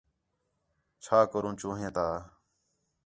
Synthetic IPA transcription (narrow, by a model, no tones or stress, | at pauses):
t͡ʃʰaːkəɾũːt͡ʃõːɦẽːt̪aː